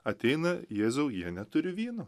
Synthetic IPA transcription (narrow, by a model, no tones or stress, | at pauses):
ɐt̪ʲɛɪnɐjeːzʲoʊjiɛnʲɛt̪ʊɾʲɪʋʲiːno